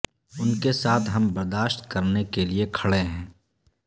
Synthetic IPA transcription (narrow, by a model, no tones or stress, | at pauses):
ʊnkesaːt̪ʰɦɐmbɐɾd̪aːʃt̪̚kɐɾnekeliekʰɐɭeɦɛ̃ː